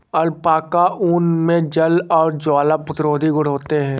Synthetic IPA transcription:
ɐɾpaːkaʔuːnmẽd͡ʒɐlɔːɾd͡ʒaːlapʊt̪ɾoːd̪ʱiɡʊɽ̤ɦoːt̪eɦɛ̃ː

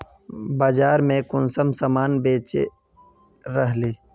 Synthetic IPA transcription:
baːd͡ʒaːɾmẽkʊnsəmsəmaːnbeːt͡ʃḛ | ɾəɦliː

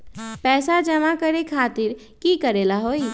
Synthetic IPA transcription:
pɛːsad͡ʒəmakəɾekʰaːt̪ɪɾ | kikəɾeːlaɦoːi

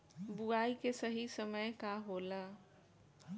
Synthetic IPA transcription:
buaːikesəɦisəməjkaɦoːla

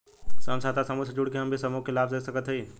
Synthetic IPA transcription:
səmsad̪asəmusəd͡ʒuɽkeɦəmbʱisəmukɪlapsesəkət̪ɦəi

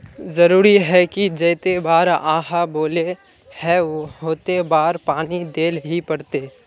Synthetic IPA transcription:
zɐɾuːɾiɦɛkid͡ʒɐːt̪ebaːɾa̰ːɦaboːle | hɛ̃ʋoɦoːt̪ebaːɾpaːnid̪eːlɦipɐɽt̪eː

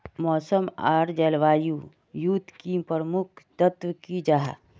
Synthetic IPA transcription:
mɔːsəma̰ːɾd͡ʒɛːlʋaːju | jut̪kipəɾmʊkʰt̪ət̪ʋkid͡ʒaɦa̰

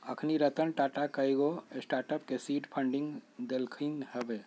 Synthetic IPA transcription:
əkʰniɾət̪ənʈaːʈakəiɡosʈaːɾʈəpkesiːʈpʰə̃ɳɖɪ̃ŋɡd̪elkʰiŋɦɛbe

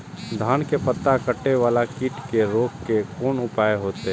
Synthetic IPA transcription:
d̪ʱaːnkepət̪ːakəʈːeʋaːlakɪʈkeɾoːɡkekʰoːnʊpaːeɦoːt̪eɦ

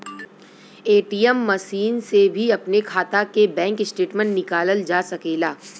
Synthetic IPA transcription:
eːʈiːəmːɐʃiːnsebʱiɐpnekʰaːt̪akebɛ̃ːŋkɪsʈeːʈmə̃ɳʈnɪkaːləld͡ʒaːsɐkeːlaː

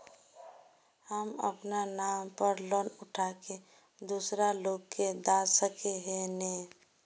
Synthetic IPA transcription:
həmə̰pnanampəɾlɔnʊʈʰake | d̪usɾalokkːed̪asəkeɦenɛ

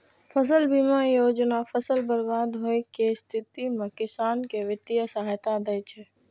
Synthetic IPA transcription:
fəs̬əlbimãjod͡ʒnafəsəlbəɾbad̪ɦojkest̪ʰit̪imãkɪsankeʋɪt̪ijəsaɦət̪ad̪əjt͡ʃʰe

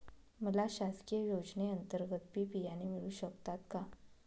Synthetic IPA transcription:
məlaɕaskijəjod͡zneənt̪əɾɡət̪pipijanemiɭuːɕəkt̪at̪ka

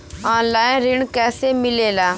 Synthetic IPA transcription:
ãːnlaːɪɾɪɳkɛːseːmɪleːlaː

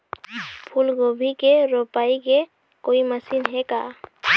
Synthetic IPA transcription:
pʰulɡobʱikeɾopaike | koiməsinɦɛka

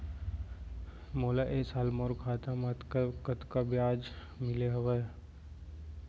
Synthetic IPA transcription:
moːlaʔesaːlmoɾkʰaːt̪amat̪kkət̪kabjaːd͡ʒ | mɪleɦɐʋə

